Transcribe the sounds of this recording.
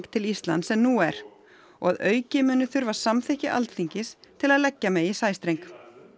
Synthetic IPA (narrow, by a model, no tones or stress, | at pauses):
ŋkt̪ʰɪlist̪la̰nt̪sɛmnuɛɾ̥ | ɔ̰ɣaðœːɥcɪmʏːnʏθʏɾvasamθɪhcɪʔa̰lt̪θiɲcɪst̪ʰɪlaðlɛcːamɛðisaːjst̪ɾejŋk